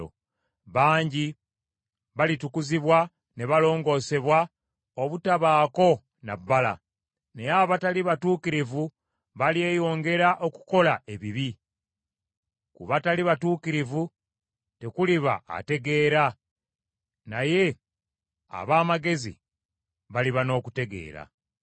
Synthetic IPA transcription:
o̰ | βaːɲɟi | βalitukuziβwa | ne̞βalo̞ːŋɡo̞ːse̞βwa | oβutaβaːko̞ | na̰bːala̰ | neaβataliβatuːkiɾivu | βalie̞jo̞ːŋɡe̞ɾaʔo̞ku̥ko̞lae̞βiβi | kuβataliβatuːkiɾivu | te̞kuliβa̰a̰te̞ɡe̞ːɾa | naje̞ | a̰βaːmaɡe̞zḭ | βaliβano̞ːkute̞ɡe̞̰ːɾa̰

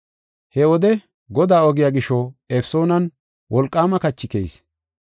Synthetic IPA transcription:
hɛɔd̪ɛ | ɡɔd̪aːɔɡɪjaːɡɪʃɔefso̞ːnɐn | wʔɔlkʼːaːmɐkɐt͡ʃːɪkḛjs

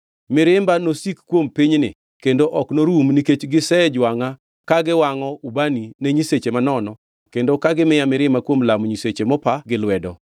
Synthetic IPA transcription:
mɪɾɪmbanosikkːwompiɲnɪ̰ | kendoʔɔknoɾumniket͡ʃɡɪsɛd͡ʒwaŋa | kaɡɪwaŋɔubanineɲiset͡ʃemanɔnɔ | kendokaɡɪmɪjamɪɾɪmakwomlamɲiset͡ʃemɔpaɡɪlwɛdɔ

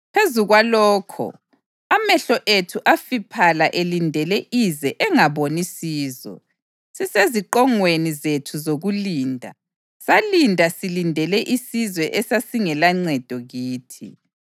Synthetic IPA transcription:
pʰezuɣwalɔːkʰɔ̰ | amɛɬɔʔetʰuʔafipʰalaʔelindʱɛlɛʔizɛʔɛŋaβonisiːzɔ̰ | siseziǃɔŋwenizetʰuzoɣuliːndʱa̰ | salindʱasilindʱɛlɛʔisizwɛʔɛsasiŋɛlaŋ͡ǀɛd̥ʱɔɣiːtʰḭ

